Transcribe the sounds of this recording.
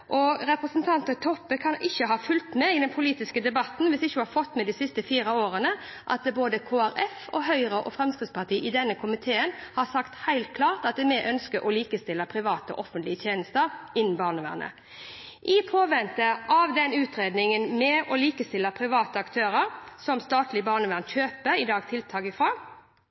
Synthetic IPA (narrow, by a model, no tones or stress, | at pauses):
ʔɔɾɛpɾəsənt̪ʰɑnt̪ət̪ʰɔpːəkʰɑnɪçːəɦɑːfʉlt̪mɛɪd̪ɛnpʰʊliːt̪ɪskəd̪ɛbɑt̪n̩ʋɪsɪçːəhɑfɔt̪ːmɛd̪ɪsɪst̪əfiːɾəoːɾənə | ʔɑ̰t̪̚d̪ɛboːd̪əkʰoːæɾɛfɔɦœʏɾəʔɔ̰fɾɛmskɾɪt̪spʰɑʈ̪iːʔɪd̪ɛnːəkʰʊmɪt̪ʰeːənhɑsɑkt̪hæɪlt̪̚kʰlɑːʁt̪ɑt̪̚d̪ɛmɛʔœnskəʔɔliːkəst̪ɪlːəpʰɾɪʋɑːt̪əɔ̰ʔɔfənt̪lɪət̪ʰeːnəst̪əɾɪnːn̩bɑːʁnəʋæ̰ːʁnə̰ | ʔɪpʰoːʋɛnt̪əɑʋd̪ɛnʉːt̪ɾeːd̪nɪŋənmɛɔliːkəst̪ɪlːəpʰɾɪʋɑːt̪əɑkt̪ʰøːɾəɾsɔmst̪ɑːt̪lɪbɑːʁnəʋæːʁnçøːpəɾɪd̪ɑːɡt̪ʰɪlt̪ʰɑːɡəfʁɑː